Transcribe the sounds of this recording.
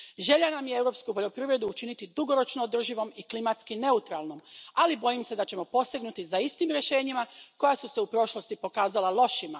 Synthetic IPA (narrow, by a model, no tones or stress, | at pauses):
ʒe̞ʎanamjeewɾo̞pskupo̞ʎo̞pɾiːʋɾe̞d̪uːt͡ʃinit̪id̪uɡo̞ɾo̞t͡ʃnoːd̪r̩ʒiʋo̞miklimat̪skine̞ut̪ɾalno̞malibo̞jimsed̪at͡ɕe̞mo̞po̞st̪iɡnut̪izaist̪imɾje̞ʃe̞ːɲimako̞jasuseupɾo̞ʃlˠo̞st̪ipo̞kaːzalalo̞ʃima